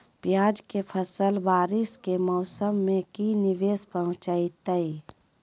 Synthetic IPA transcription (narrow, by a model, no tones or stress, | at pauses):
pjaːd͡ʒkepʰəsəlʋaːɾɪskemɔːsəmːẽkinɪʋeːspəɦʊ̃t͡ʃaːit̪əi